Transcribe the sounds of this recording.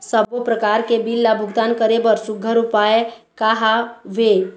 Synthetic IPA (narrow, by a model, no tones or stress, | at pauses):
səbopɾəkaɾkebilːabʱuɡt̪ankəɾebəɾsʊɡʱəɾupaekaɦaʋe